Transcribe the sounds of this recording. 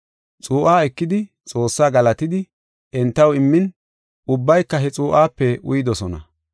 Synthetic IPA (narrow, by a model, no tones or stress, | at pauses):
t͡sʼuːʔaːɛkːɪd̪ɪ | t͡sʼo̞ːsːaːɡɐlɐt̪ɪd̪ɪ | ʔɛnt̪ːɐwɪmːɪn | ʊbːɐjkːɐɦɛt͡sʼuːʔaːpːɛʔʊ̰jɪd̪ɔsɔnɐ̰